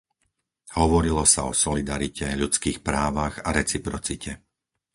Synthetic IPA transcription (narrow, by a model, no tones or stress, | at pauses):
hɔʋɔɾilɔsaɔsɔlid̪aɾicɛʎut͡skiːxpɾaːʋaɣaɾɛt͡sipɾɔt͡sicʰɛ